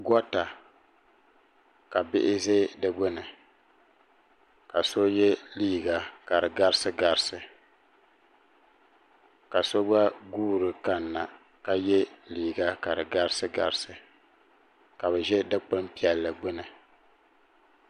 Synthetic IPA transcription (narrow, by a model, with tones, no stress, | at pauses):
ɡɔ˦ta˨ | ka˨bɪ˦ʔɪ˦zeː˦dɨ˦ɡ͡bʊ˦nɨ˨ | ka˨so˦jɛ˦liː˦ɡa˨ka˨ɾɨ˨ɡa˦ɾɨ˦sɨ˦ɡa˨ɾsɨ˨ | ka˨so˦ɡ͡ba˦ɡuː˦ɾɨ˨ka˦nːa˨ | ka˦jɛ˦liː˨ɡa˦ka˨ɾɨ˨ɡa˦ɾsɨ˦ɡa̰˨ɾɨ˦sɨ˨ | ka˨bɛ˨ʒɛ˦dɨ˦k͡pɨ˦mpi˦ɛ˨lːɨ˨ɡ͡bʊ˦nɨ˨